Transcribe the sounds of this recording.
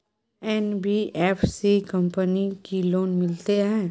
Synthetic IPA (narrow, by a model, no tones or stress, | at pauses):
ɛnbiːʔɛːfʰsikɐ̃mpənikiloːnmɪlt̪eɦɛ̃ː